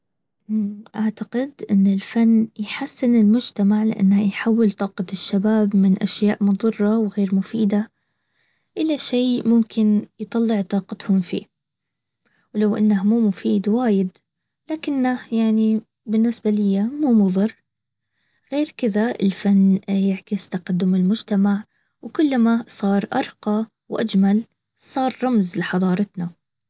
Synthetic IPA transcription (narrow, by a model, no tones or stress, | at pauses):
ʔaʕt̪aqɪd̪ʔɪnːɪlfanːjħasːɪnɪlmʊd͡ʒt̪amaʕlɪ̰ʔa̰nːhajħawːɪlt̪ˤɑːqɑt̪ɪʃːabaːbmɪnʔaʃjaːʔmʊðˤɨrˤːɑwɣeːɾmʊfiːd̪a | ʔɪlaʃeːmʊmkʰɪnjɨt̪ˤɑlːɪʕt̪ˤɑːqɑt̪hʊmfḭː | wlawʔa̰nːahmuːmʊfiːd̪waːjɪd̪ | laːkɪnːahjaʕni | bɪnːɪsbalɪjːamuːmʊðˤɨr | ɣeːɾkɪðaɪ̰lfanːjaʕkɪst̪aqad̪ːʊmɪlmʊd͡ʒt̪amaʕ | wkʊlːamasˤɑːɾˤʔɑ̰ɾˤqɑ | wʔad͡ʒmal | sˤɑːɾˤɾˤɑmzlɪħɑðˤɑːɾˤɑt̪na